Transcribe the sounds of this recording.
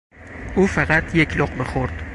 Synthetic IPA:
ʊfɑqɑt̪jekʰʲloqbɪχoɾd̪̥

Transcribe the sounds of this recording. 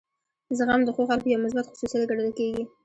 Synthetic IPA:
zəɣamd̪əxoxalpəjawmʊs̬bat̪xʊ̥susaleɡaɽələlkeɡi

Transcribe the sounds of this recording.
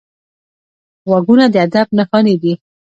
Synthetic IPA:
waɡunad̪əad̪ab̚naxɑned̪i

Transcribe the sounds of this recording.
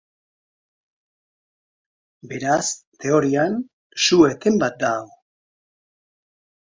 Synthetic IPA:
be̞ɾast̪e̞o̞ɾian | sue̞t̪e̞mbat̪̚d̪aɣo

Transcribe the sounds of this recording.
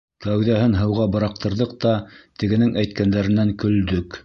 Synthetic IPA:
kæwðæhɘnɦɤ̆wʁɑbɤ̆ɾɑq̚t̪ɤ̆ɾðɤq̚t̪ɑt̪ɘ̆ɡɘ̆nɘŋæjt̪̚kænd̪æɾɘ̆næŋkɵ̆ld̪ɵk

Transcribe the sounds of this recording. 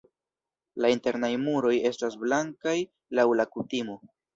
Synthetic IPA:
lainte̞ɾnajmuɾo̞je̞stasblaŋkaj | lawlakutimo̞

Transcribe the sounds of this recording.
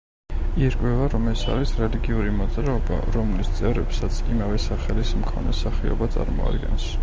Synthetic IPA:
iɾkʼwɛvaɾɔmɛsa̰ɾisɾɛliɡiuɾimɔd̪zɾaɔba̰ɾɔmlist̪sʼɛvɾɛpsat̪sʰimavɛsaχɛlismkʰɔnɛsaχiɔ̰bat̪sʼa̰ɾmɔ̰a̰d̪ɡɛ̰ns

